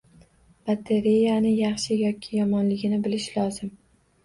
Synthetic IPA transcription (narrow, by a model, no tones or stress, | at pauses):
bat̪ʰe̞ɾejanɪjɑχʃɪjɒkʲʰːɪjɒmɒnlɪɡʲɪnɪbɪlɪʃlɒzɪm